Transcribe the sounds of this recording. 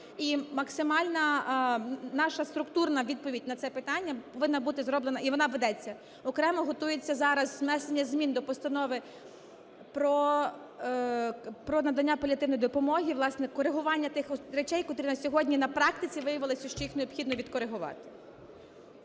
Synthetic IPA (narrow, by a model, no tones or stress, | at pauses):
imɐksɪmɑlʲnɐ | nɑʃɐst̪ɾʊkt̪urnɐʋʲid̪̚pɔʋʲidʲnɐt̪sɛpɪt̪ɑnʲːɐpɔʋɪnːɐbut̪ɪzɾɔblˠenɐiʋɔnɑʋed̪ɛt͡sʲːɐ | ɔkɾɛmɔɦɔt̪ujet͡sʲːɐzɑɾɐzznɛsenʲːɐzʲmʲind̪ɔpɔst̪ɐnɔʋɪ | pɾɔ | pɾɔnɐd̪ɐnʲːapɔlʲɐt̪ɪwnɔjd̪ɔpɔmɔɦʲiʋlˠɑsnɛkɔɾeɦʊʋɑnʲːɐt̪ɪxɾet͡ʃɛjkɔt̪ɾinsʲɔɦɔdʲnʲinɐpɾɑk̚t̪ɪt͡sʲiʋɪjɐʋɪlˠɪsʲɐʃt͡ʃɔjixneɔbxʲid̪nɔʋʲid̪kɔɾeɦʊʋɑ̰t̪ɪ̥